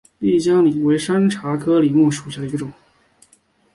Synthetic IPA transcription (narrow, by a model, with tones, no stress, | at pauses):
pi˥˩t͡ɕjɑ˥ŋli˨˩we˧˥ɪʂa˥nʈ͡ʂʰa˧˥kʰɤ˥li˨˩mu˥˩ʂu˨˩ɕja˥˩d̪ə˩i˧˥ɡə˧ʈ͡ʂʊ˨˩˦ŋ